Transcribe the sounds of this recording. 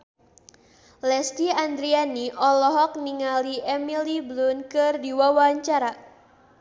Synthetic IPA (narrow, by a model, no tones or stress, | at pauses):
lɛsdiand̪ɾianiʔɔlɔɦɔk̚niŋaliʔɛmiliblunkɨrdiwawaɲt͡ʃaɾa